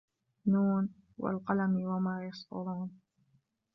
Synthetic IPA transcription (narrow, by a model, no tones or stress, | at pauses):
nuːn | wa̰lqɑlamɪwamaːjɑsˤʔʊ̰ɾuːn